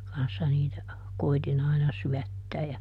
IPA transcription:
kɑnsːɑ niːtæ koitin ɑinɑ syætːæː jɑ

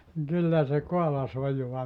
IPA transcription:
niŋ kylːæ se koɑlɑs ojuɑ

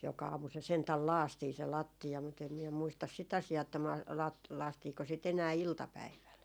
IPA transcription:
jokɑ ɑːmu se sentæl lɑːstiː se lɑtːiɑ mut em miɛ muistɑs sit ɑsiɑː etːæ mɑ lɑ lɑːstiːko sit enæː iltɑpæiʋæl

